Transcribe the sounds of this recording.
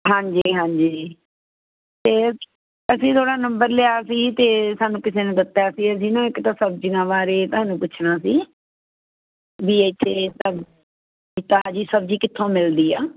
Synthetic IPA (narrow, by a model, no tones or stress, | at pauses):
ɦãːɲd͡ʒiːɦãːɲd͡ʒiː | t̪eː | əsĩːt̪ʰoːɽaːnəmbəɾlɪaːsiːt̪eːsaːnũːkɪseːnẽːd̪ɪt̪ːjaːsiːəs̬ĩːnõːɪkt̪ãːsəb̚d͡ʒinãːʋaːɾeːt̪ʊɦaːnũːpʊt͡ʃʰnaːsiː | biːet͡ʃʰːeːt̪aː | it̪aːd͡ʒiːsəb̚d͡ʒiːkɪt̪ʰːõːmɪld̪iːaː